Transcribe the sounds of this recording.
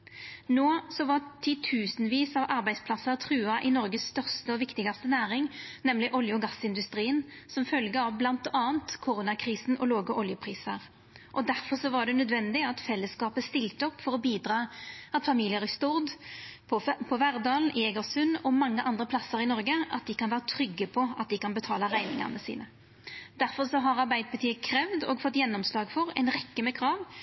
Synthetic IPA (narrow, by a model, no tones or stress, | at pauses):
noːsɔʋɑt̪ʰɪt̪ʰʉːsnʋiːsɑʋɑɾbæɪd̪spʰlɑsət̪ʰʁʉːɑʔɪnɔɾɡəsst̪œʁst̪əɔʋɪkt̪ɪɡɑst̪ənæːʁɪŋnɛmlɪʔɔljəɔɡɑsːɪnd̪ʉst̪ɾiːənsɔmfœlɡəɑʋblɑnt̪ɑːənt̪kʰʊɾunɑkʰʁiːsn̩ɔloːɡəʔɔljəpʰʁiːsəʁ | ʔɔd̪æʁfɔʁsɔʋɑɖɛnœd̪ʋɛnd̪ɪɑt̪fɛlːəskɑːpəst̪ɪlt̪əɔpːfɔɾɔbiːd̪ɾɑːɑt̪fɑmiːlɪəɾɪst̪uɾd̪pʰɔpʰɔʋæɾd̪ɑːln̩ʔɪɛɡəʁsʉnːɔmɑŋːəʔɑnd̪ɾəpʰlɑsəɾɪnɔʁɡəʔɑ̰t̪̚d̪ɪkɑnʋæːʁət̪ʰɾʏɡːəpʰɔɑ̰t̪̚d̪ɪkɑnbət̪ʰɑːləʁæɪnɪŋɑ̰ʁnəsḭːnə | d̪æɾfɔʁsɔɦɑʁɑʁbæɪd̪bət̪ʰiːəkʰɾɛʋd̪ɔ̰ːɡfɔt̪ːjɛnːɔmslɑːɡfɔʁɛ̰ɪnʁɛkːəmɛkʰɾɑːʋ